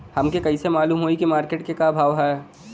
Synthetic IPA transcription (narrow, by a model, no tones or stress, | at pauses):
hɐmkekɐɦisemaːluːmɦoːikimaːɾkeːʈ̚kekabʱaːʋɦɛː